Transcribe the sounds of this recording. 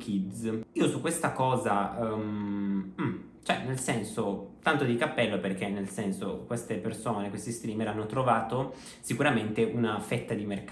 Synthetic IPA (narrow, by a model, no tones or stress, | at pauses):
k̟id̪ziːosukːwest̪akɔːzamm̩ | t͡ʃoɛnelsɛnsot̪ant̪od̪ikapːɛlːoperkenːelsɛnsokwest̪epersoːnekwest̪ist̪ɾiːmeɾanːot̪ɾovaːt̪o | sikuɾament̪eʔunafɛt̪ːad̪imerk